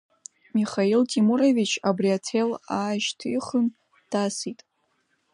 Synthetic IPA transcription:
miχailtʰʼimuɾevit͡ʃʰabriatʰelaːʒtʰiχən | d̥asitʼ

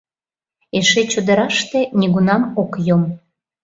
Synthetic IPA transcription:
eʃet͡ɕod̪ə̆ɾɑʃt̪eniɣunɑmokjom

